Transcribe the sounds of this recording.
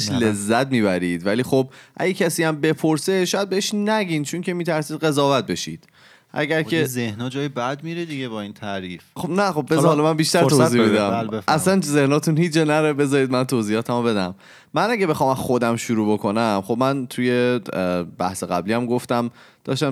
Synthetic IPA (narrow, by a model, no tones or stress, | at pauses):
ʃlezːæt̪̚miːbæɾiːd̪̥væliːxob̚ʔæ̰ɟecʰæsiːæmbe̞pʰoɾseʃɔːjæd̪̚beeʃnæɟiːnt͡ʃʰoŋcʰe̞miːt̪ʰæɾsiːd̪̚ɣe̞zɒːvæt̪̚be̞ʃḭːd̪̥ | ʔæ̰ɡæɾcʰezehnɒd͡ʒɒːjebæd̪miɾed̪iɡebɒint̪ʰæɾiːfxobnæxob̚bezhɒːlɒmæmbiːʃt̪æɾʰotzibed̪æmleæslænzehnɒːt̪ʰunhiːd͡ʒɒnæɾebe̞zɒːɾiːd̪̚mænt̪ʰoːziːjɒːt̪ʰæmobe̞d̪æ̰m | mænæɟebe̞xɒːmæxod̪æmʃuɾuːbokʰonæmxobmænt̪ʰuje̞ | bæ̰hseɣæ̰bliːæmɡoft̪æm | d̪̥ɒ̰ːʃt̪æm